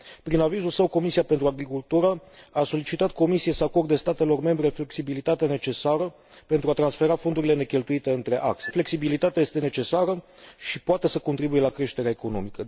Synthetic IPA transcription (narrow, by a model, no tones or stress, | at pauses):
pɾinavizulsəwko̞misiape̞nt̪ɾuaɡɾikult̪uɾəaso̞lit͡ʃit̪at̪ko̞misijesəako̞rd̪est̪at̪e̞lo̞rme̞mbɾe̞fle̞ksibilit̪at̪eane̞t͡ʃe̞saɾə | pe̞nt̪ɾuat̪ɾansfe̞ɾafo̞nd̪uɾile̞ne̞kʲe̞lt̪uit̪e̞ɨnt̪ɾe̞ʔa̰ksefle̞ksibilit̪at̪eaje̞st̪e̞ne̞t͡ʃe̞saɾəʃipoat̪e̞səkont̪ɾibuje̞lakɾe̞ʃt̪e̞ɾeaeko̞no̞̰mikə